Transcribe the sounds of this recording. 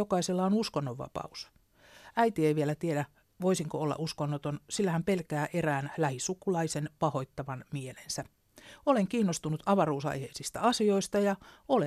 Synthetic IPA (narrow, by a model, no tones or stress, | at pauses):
okɑiselːɑonuskonːoʋːɑ̰pɑ̰us | æit̪ieiʋielæt̪iedæ | ʋoisiŋkoolːɑ̰ʔuskonːot̪onsilːæhæmpelkæːʔeræːnlæhisukulɑisenpɑho̞it̪ːɑʋɑnmielensæ | oleŋkiːnːost̪unut̪ʰɑʋɑruːsɑ̰jheisist̪æ̰ɑsio̞ist̪ɑjɑole